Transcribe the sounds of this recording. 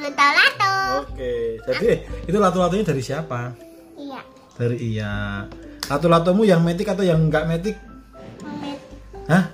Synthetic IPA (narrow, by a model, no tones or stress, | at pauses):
alat̪ɔoked͡ʒ̥adiit̪ulat̪ulat̪̬ɔɲada̤ɾisiapa | ja | d̥aɾiija | lat̪ulat̪ɔmujaŋmet̪̬ɪkat̪awjaŋŋɡaʔmet̪̬ɪk̚ | hah